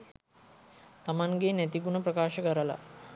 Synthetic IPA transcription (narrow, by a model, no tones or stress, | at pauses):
t̪amanɡenæt̪iɡunɐpɾɐkaːʃɐkɐɾəla̰